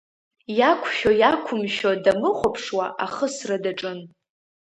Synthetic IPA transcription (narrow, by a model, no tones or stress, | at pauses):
jakʷʰʃᶣojakʷʰʊmʃodamɨχʷopʰʂwaʔaχəsradaʈ͡ʂʼɨn